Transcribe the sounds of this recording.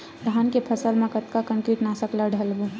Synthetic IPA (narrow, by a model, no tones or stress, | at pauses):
d̪ʱaːnkepʰəsəlmẽkət̪kakə̃ŋkiʈnasəklaɖʱəlbu